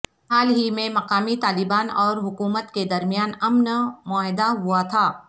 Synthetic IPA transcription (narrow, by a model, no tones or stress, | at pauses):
ɦaːlɦimẽmɐqaːmit̪aːlɪbaːnɔːɾɦʊkuːmət̪ked̪ɐɾmijaːnɐmnmʊaːɦd̪aɦʊat̪ʰaː